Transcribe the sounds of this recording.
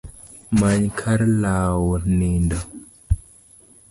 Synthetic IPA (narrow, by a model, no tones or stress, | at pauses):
maɲkʰaɾlaːwəninda